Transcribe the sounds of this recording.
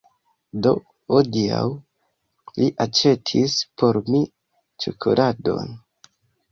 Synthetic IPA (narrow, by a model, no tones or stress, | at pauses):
do̞ | odia̰w | liʔat͡ʃe̞tʰispʰo̞ɾmi | t͡ʃukʰolʔado̞̰n